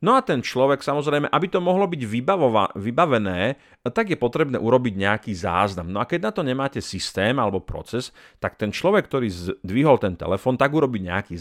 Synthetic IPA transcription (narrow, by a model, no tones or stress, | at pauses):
nɔat̪ɛnt͡ʃlɔʋɛksamɔzɾɛjmɛʔabit̪ɔmɔɦlɔbiɟʋibaʋibaʋɛnɛː | t̪aɡjɛpɔt̪ɾɛbnɛ̰ːʔuɾɔbiɟɲɛakiːza̰ːznamnɔakɛɟnat̪ɔɲɛmaːcɛsist̪ɛːmalɛbɔpɾɔ̰t͡sɛs | t̪ak̚t̪ɛnt͡ʃlɔʋɛk̚ːt̪ɔɾiːzd̪ʋiɦɔlt̪ɛnt̪ɛ̰lɛfɔːnt̪aɡuɾɔbiɲɛ̰akiː